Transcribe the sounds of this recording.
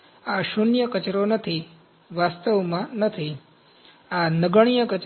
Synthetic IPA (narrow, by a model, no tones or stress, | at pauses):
aʃunjəkət͡ʃɾonət̪ʰi | ʋast̪əʋmãnət̪ʰi | anəɡəɽ̃ijəkət͡ʃ